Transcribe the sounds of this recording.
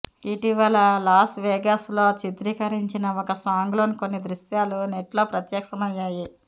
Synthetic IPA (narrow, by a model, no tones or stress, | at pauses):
iʈiʋɐlɐlaːsʈʋɛːɡɐslo̞ːt͡ʃit̪ɾiːkɐɾiɲt͡ʃinɐɔkɐsaːŋɡloːnikonːid̪ɾuʃjaːluneʈlo̞ːpɾɐt̪jɐkʂɐmɐjːaːji